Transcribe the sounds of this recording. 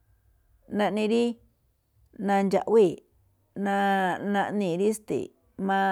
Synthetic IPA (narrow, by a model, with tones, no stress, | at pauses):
nã˧ʔnĩ˧ɾi˦ | nã˧nd͡ʒa̰˨ʔwi˦˨ | nã˧nã˧ʔnĩ˧˨˧ɾi˦st̪ḭ˨ | mã˧